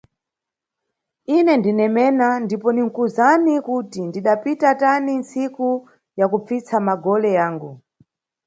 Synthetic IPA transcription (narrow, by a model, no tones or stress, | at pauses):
inɛndinɛmɛnandipɔniŋ̩kuzanikutindiɗapitatanint͡siku | jakup͡fit͡sʰamaɡɔlɛjaːŋɡu